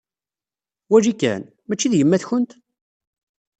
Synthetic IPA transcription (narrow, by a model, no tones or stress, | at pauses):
wæd͡ʒikːæ̰n | mæt͡ʃːiðjəmːæθçənt̪